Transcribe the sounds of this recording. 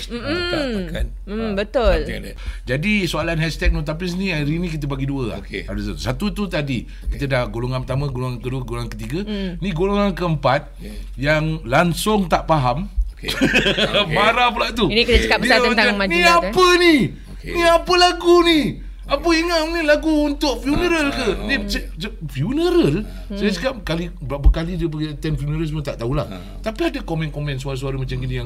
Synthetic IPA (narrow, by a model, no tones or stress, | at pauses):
m̩ | n̩ | bət̪ʊl | d͡ʒadisoalanɦɛst̪ɛk̚nut̪apis̬nĩaɾinĩkit̪̬əbaɡiduə̰kadusasat̪ut̪ut̪adi | kit̪ədahɡoloŋanpət̪amə̃ɡoloŋankəduəɡoloŋankət̪iɡənĩɡoloŋankəəmpat̪̚ | jaŋlansʊŋt̪aʔpaɦamke | maɾap̬əlaʔt̪unikit̪at͡ʃəkabəiaəat̪aŋmaniapəni | niapəlaɡuni | apəiŋamnilaɡuːnt̪ʊʔ̚fjunəɾəlkənis | fjunəɾəl | sajasəkap̚kalibapəkalidiəp̬əɡit̪ɛnfjunəɾəlsmət̪aʔt̪aula̰h | t̪apiadakomɛ̃nkomɛ̃ns̬uaɾas̬uaɾəmat͡ʃamkinijaŋ